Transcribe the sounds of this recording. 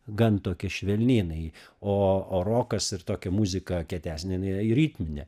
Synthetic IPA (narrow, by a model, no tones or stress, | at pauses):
ɡɐnt̪oːkʲɪʃʲʋʲɛlʲnʲiːnɐɪ | oːoːɾoːkɐsɪɾt̪oːkʲɛmuzʲɪkɐkʲiɛt̪ʲæːsʲnʲɛɪnɛɾʲiːt̪ʲmʲɪnʲɛ